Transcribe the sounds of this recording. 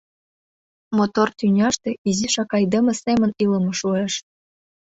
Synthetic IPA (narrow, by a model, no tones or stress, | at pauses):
mot̪ort̪ynʲɑʃt̪ĕiziʃɑkɑjd̪ə̆mə̆semə̆nilə̆mɤ̆ʃueʃ